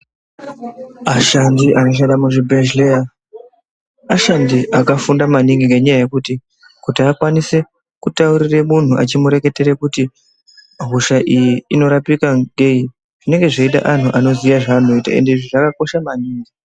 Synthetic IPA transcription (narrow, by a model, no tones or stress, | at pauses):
aʃandiʔano̞ʃ̬anɗamuʐibʱeʒleja | aʃandiʔakafundamaniŋɡiŋɡe̞ɲajaje̞kuti | kutiakwanise | kutauɾiremun̤uʔat͡ʃimuɾe̞ke̞te̞ɾekuti | ɦuʃaʔijiːno̞ɾapikaŋɡe̞i | ʐ̥ine̞ŋɡe̞ʐeita̰ʔan̤uʔano̞ziʋaʐaːno̞ita̰e̞̰ndeiʐiʐakako̞ʃamaniːŋɡi